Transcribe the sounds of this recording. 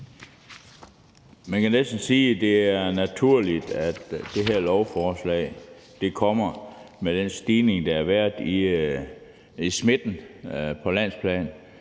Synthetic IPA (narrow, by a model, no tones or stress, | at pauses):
mænkʰænesd̥n̩siːd̥e̝æɐnæt͡sʰuɐ̰lid̥æd̥ːe̝ɦæɐ̰lɒʊfɒːslɛ̰ːɪ | d̥e̝kʰɒ̽m̰ɐmed̥ensd̥iːne̝ŋd̥ɑ̈æɐʋæɐ̰d̥i | isme̝d̥n̩pʰɒ̽læn̰spʰlɛ̰ːn